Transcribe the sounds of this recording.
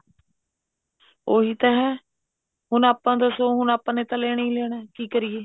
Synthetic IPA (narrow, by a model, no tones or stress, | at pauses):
oːɦiːt̪aːɦɛː | ɦʊnaːpːãːd̪əsoːɦʊnaːpãːneːt̪ãːleːɽ̃eiːleːɽ̃ɛːkiːkəɾɪjeː